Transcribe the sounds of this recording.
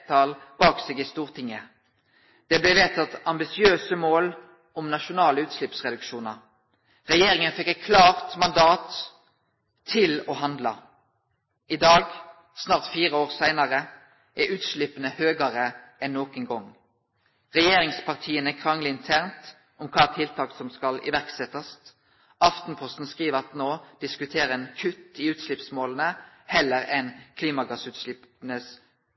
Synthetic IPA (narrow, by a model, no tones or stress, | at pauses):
t̪ʰɑːlb̥ɑːkseːɡɪst̪uːʁt̪ʰɪŋːə | d̪̥ɛblɛʋeːt̪ɑt̪ɑmbɪsɪøːsəmoːl | ɔmnɑʃʊnɑːləʉːt̪ʃlɪpsʁɛd̪ʉkʃuːnɑʁ | ʁɛjeːʁɪŋənfɛkːɛɪt̪kʰlɑːʁt̪mɑnd̪ɑːt̪ | ɪlɔhɑnd̪lɑ̰ | ɪd̪ɑːɡ | snɑːʁt̪fiːʁəoːʁsæɪnɑʁə | ʔɛʉːt̪ʃlɪpənəhøːɡɑʁəɛnːoːkənɡɔŋ | ʁɛjeːʁɪŋspʰɑʁt̪ʰiːənɛkʰʁɑŋlɪɪnt̪ʰæʁnt̪ | ɔmkʰɑːt̪ʰɪlt̪ʰɑːksɔmskɑlɪ̰ʋæʁksɛt̪ɑst̪ | ɑft̪n̩pʰɔst̪n̩skʁiːʋəʁɑt̪noːd̪̥ɪskʉt̪ʰeːʁəɛnkʰʉt̪ːiːʉːt̪ʃlɪpsmoːlən̩ə | hɛlːəɾɛnkʰliːmɑɡɑsʉːt̪ʃlɪpnəs